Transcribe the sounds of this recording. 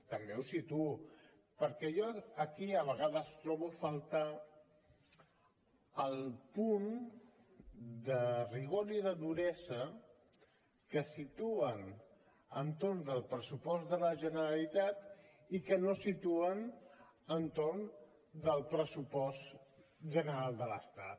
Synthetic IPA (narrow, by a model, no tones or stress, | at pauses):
t̪əmbewsit̪uu | pəɾkɛjɔəkiəβ̞əɣaðəst̪ɾɔβufalˠt̪a | əlˠpun | d̪əriɣoɾiðəðuɾɛzə | kəsit̪uən | ənt̪oɾnðəlˠpɾəsupɔzðələʒənəɾəlit̪at̪ | ikənosit̪uənənt̪oɾn | d̪əlˠpɾəsupɔst̪ʒənəɾalˠd̪ələst̪a̰t̪